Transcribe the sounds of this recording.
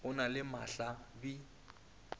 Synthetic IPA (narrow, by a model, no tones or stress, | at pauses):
ʊnalɪma̰ɬabi